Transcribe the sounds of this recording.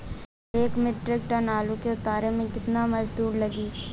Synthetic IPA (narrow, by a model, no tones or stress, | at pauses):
eːkmɪʈɾɪk̚ʈɐnaːlõkeʊt̪aːɾemẽkɪt̪namɐd͡ʒd̪uːɾlɐɡiː